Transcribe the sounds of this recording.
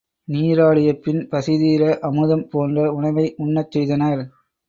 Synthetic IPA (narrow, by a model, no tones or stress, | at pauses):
niːɾaːɭɪjɐpːɪnpɐsɪðijɪlɐʔɐmɯðɐmpoːndrɐʊɳɐʋɐɪʔʊɳːɐt͡ʃːɛjðɐnɐɾ